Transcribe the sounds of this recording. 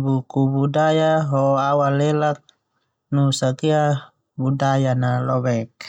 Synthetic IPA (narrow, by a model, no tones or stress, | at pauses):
bukubudajaɦɔawalɛlak̚ | nusakia | budajanalɔwɛk̚